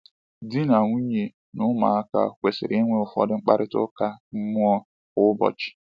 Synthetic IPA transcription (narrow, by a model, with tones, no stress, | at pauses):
di˦na˨ŋʷu˦ɲe˨ | nʊ˦ma̰˨a˦ka̰˨kʷe˨sɪ̰˨ɾi˦ŋʷe˦ʊ˨fɔ̰˦dɪ˦ŋ͡m̩˦k͡pa̰˦ɾɪ˦tʊ̰˦ka˦m̩˦mʊ˦ɔ˦ | ʊ˦bɔ̰˨t͡ʃɪ̥˨